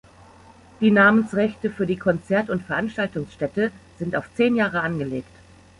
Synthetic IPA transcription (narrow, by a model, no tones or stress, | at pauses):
d̥iːnaːmənsʁɛçtəfyːɐdiːkʰɔnt͡sɛɐtʊntfɛɐʔanʃtaltʊŋsʃtɛtəz̥ɪntaʊft͡seːnjaːʁ̞əanɡəleːkt